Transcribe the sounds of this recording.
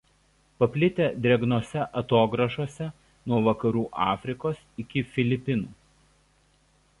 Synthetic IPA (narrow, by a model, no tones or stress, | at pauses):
pɐpʲlʲɪt̪ʲeːd̪ʲɛɡnoːsʲɛʔɐt̪oːɡɾɐʃoːsʲɛ | nuɔʋɐkɐɾuːʔɑːfʲɾʲɪkoːsɪkʲɪfʲɪlʲɪpʲɪnuː